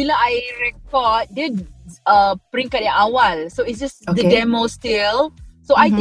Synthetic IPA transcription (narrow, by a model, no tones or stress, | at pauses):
biloajɹɛkɔd̚did̚apɹĩŋkaɛʔawalsoitsd͡ʒasdədɛmostilsoaj̃